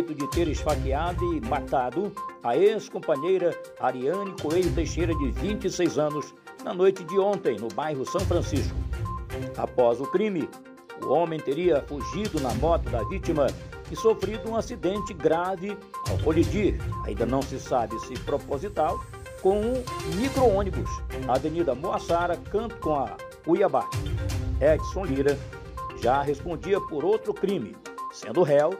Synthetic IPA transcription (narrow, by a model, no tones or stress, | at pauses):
jt̪ʊd͡ʒɪt̪eɾɪʃfakiad̪ʊɪmat̪ad̪ʊaeskõmpɐ̃ɲejɾɐaɾiɐ̃nikoejʊt̪ejʃejɾɐd͡ʒɪvĩnt͡ʃɪsejzɐ̃nʊz | nɐnojt͡ʃɪd͡ʒɪõnt̪ẽj̃nʊbajɦʊsɐ̃w̃fɾɐ̃siʃkʊ̥ | a̰pɔzʊkɾĩmɪ | ʊ̰õmẽj̃t̪eɾiɐfuʒid̪ʊnɐmɔt̪ʊd̪ɐvit͡ʃimɐ | ɪsofɾid̪ʊũasid̪ẽnt͡ʃɪɡɾavɪ | a̰wkolid͡ʒiɾa̰ĩd̪ɐnɐ̃w̃sɪsabɪsɪpɾopozit̪aw | kõw̃ũmikɾoõnibʊsaːvenid̪ɐmoasaɾɐkɐ̃nt̪ʊ̥kõɐ | ujɐba | ɛd͡ʒsõliɾɐ | ʒaɦespõnd͡ʒiɐpoɾowt̪ɾʊkɾĩmɪ̰sḛ̃nd̪ʊɦɛw